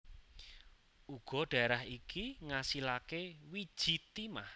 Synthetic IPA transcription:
uɡ̥ɔ̤ɖ̥a̤ɾaɦikiŋasilakewid̥ʒ̥i̤t̪imah

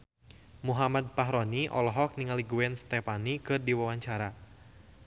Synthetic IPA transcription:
muɦamad̪̚paɦɾɔniʔɔ̰lɔɦɔk̚niŋaliɡuɛnst̪ɛpanikɨrdiwawaɲt͡ʃaɾa

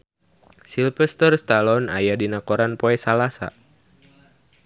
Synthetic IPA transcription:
silfɛst̪ərst̪alɔna̰jadinakɔɾanpɔɛsalasa̰

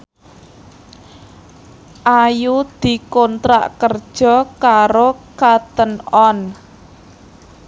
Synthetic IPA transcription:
ʔajud̪̥i̤kɔnt̪ɾa̰ʔkərd̥ʒ̥ɔ̤kaɾokat̪ənɔn

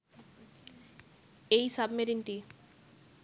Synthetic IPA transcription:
ejsabmeɾinʈi

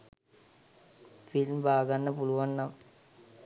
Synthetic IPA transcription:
filmbaːɡanːəpuluʋanːamə

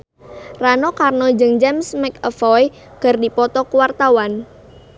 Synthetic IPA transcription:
ranɔkarnɔd͡ʒəŋd͡ʒɛmsmɛkəfɔj | kərdipɔt̪ɔkuwart̪awan

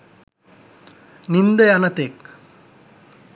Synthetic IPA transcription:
nind̪ɐjanɐt̪eːk

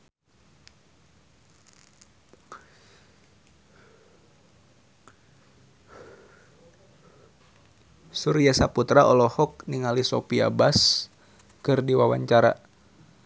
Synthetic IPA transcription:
suɾijasaput̪ɾaʔɔlɔhɔk̚niŋalisɔpia̰bas | kɨrdiwawaɲt͡ʃaɾa̰

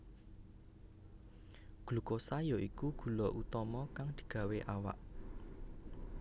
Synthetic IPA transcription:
ɡ̥lṳkosajɔʔikuɡ̥ṳlɔʔut̪ɔmɔkaŋd̪̥i̤̥ɡ̥ä̤weʔawa̰ʔ

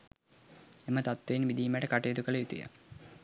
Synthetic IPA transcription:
emət̪at̪ʋenʋid̪iːmæʈəkaʈejːt̪ukələjut̪ujə̰

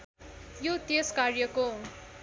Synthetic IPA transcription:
jot̪eskarjʌko

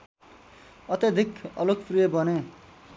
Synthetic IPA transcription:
ʌt̪jʌd̪ʱikʌlokprijʌbʌne

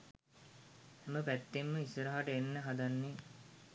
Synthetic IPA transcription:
eməpæt̪ːemːəisəɾaɦaʈəenːəɦad̪anːe

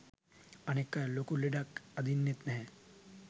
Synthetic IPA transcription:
ɐnekːalokuleɖakɐd̪ʱinːɪt̪nɦɛ̃

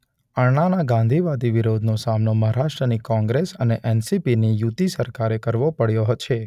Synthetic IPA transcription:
əɾɳanaɡãnd̪ʱiʋad̪iʋiɾod̪ʱnosamnoməɦaɾaʃʈɾənikɔ̃ŋɡɾesəneʔɛnsipinijut̪isəɾkaɾekəɾʋopəɽjoɦt͡ʃʰe

